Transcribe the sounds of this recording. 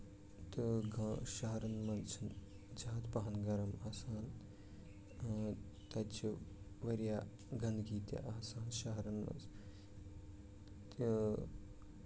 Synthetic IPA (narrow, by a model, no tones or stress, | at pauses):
t̪ɨɡɐʃɐɦɐɾɐnmɐnt͡ʃʰɐn | d͡ʒaːt̪pɐɦɐnɡɐɾɐmɐːsaːn | t̪ɐt͡ʃʰi | ʋɐɾijaː | ɡɐnd̪ɡiːt̪ja̰ʔɐːsaːnʃɐɦɐɾɐnmɐ̰ns | t̪i